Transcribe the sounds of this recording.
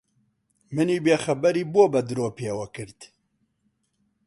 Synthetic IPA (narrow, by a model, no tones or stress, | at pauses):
mɨniːbeːxɐbɛɾiːboːbɛd̪ɨɾoːpeːwɐkɨɾt̪